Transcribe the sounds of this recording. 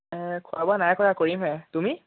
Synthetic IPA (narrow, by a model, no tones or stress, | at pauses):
kʰʊabɔanajkɔɹakoɹimɦɛtumi